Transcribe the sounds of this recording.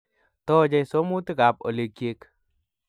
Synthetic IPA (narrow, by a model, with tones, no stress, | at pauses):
t̪ɔ˦d͡ʒɛ˦jso˦mu˦t̪ɪ˦ɡa˨p̚o̰˨le˨kje˦k